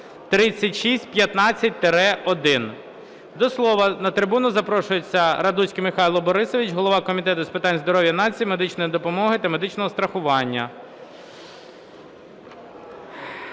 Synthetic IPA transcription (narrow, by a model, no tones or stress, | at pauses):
t̪ɾɪt͡sʲːɐtʲʃisʲtʲpʲjɐt̪nɑt͡sʲːɐt̚ʲt̪eɾɛɔd̪ɪn | d̪ɔslˠɔʋɐnɐt̪ɾɪbunʊzɐpɾɔʃʊjet͡sʲːɐɾɐd̪usʲkɪmɪxɑjlˠɔbɔɾɪsɔʋʲit͡ʃɦɔlˠɔʋɑkɔmʲit̪ɛt̪ʊspɪt̪ɑnʲzd̪ɔɾɔʋʲjɐnɑt͡sʲijimed̪ɪt͡ʃnɔjid̪ɔpɔmɔɦɪt̪ɐmed̪ɪt͡ʃnɔɦɔst̪ɾɐxʊʋɑnʲːɐ